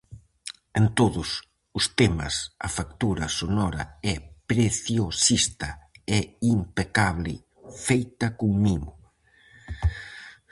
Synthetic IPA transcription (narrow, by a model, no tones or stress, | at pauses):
ent̪oðʊs | ʊst̪emɐ̰sɐ̰fakt̪uɾɐsonɔɾɐ̰ɛpɾeθjosist̪ɐɛimpekaβlɪ | fejt̪ɐkʊŋmiɣʊ